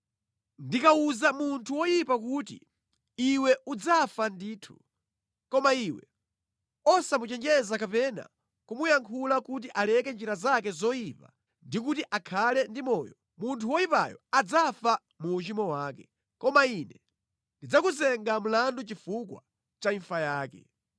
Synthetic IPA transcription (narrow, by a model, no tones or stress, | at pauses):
ndikauzamuntʰuwɔjipak̬uːtḭ | iwɛud͡zafandiːtʰu̥̰ | kɔmaiwɛ | ɔsamut͡ʃɛnd͡ʒɛzakapɛna̰ | kumujaŋkʰulakut̬iʔalɛkɛnd͡ʒiɾazakɛzɔjipa | ndik̬utiʔakʰalɛndimɔːjɔ | muntʰuwɔjipa̰jɔ̰ad͡zafa | muːt͡ʃimɔwaːkɛ | kɔmainɛ | ndid͡zakuzɛŋɡam̩landut͡ʃifukwa̰ | t͡ʃaiɱfajaːkɛ̰